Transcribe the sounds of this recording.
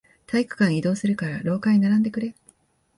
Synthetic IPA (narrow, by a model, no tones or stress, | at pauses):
t̪ʰaikɯ̟̥kãɰ̃id̪o̞ːsɨɾɯ̟kaɾaɾo̞ːkaɲʲinaɾãnd̪e̞kɯ̟ɾe̞